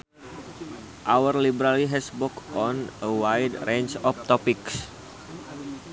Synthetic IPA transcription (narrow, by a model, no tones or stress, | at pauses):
ʔawərlibəɾaliɦɛsbɔkʔɔnʔəwajdrent͡ʃɔft̪ɔpiks